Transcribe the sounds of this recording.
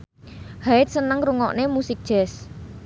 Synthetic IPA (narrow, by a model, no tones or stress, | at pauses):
haɪt̪̚sənəŋɾuŋɔ̰ʔnemusɪk̚ʒ̥ɛ̤s